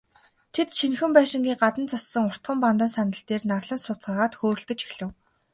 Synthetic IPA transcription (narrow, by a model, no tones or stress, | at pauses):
t̪ʰet̪ʃinxɘ̆mpæːʃɪ̆ŋɡʲiːɢat̪ə̆nt͡sasːə̆ŋʊr̥t̪χə̆mpant̪ə̆nsanə̆ɬt̪eːrnarɮə̆nsʊt͡sɢaːʁaːt̪xoːr̆ɬt̪ɵ̆t͡ɕixɮɘ̆w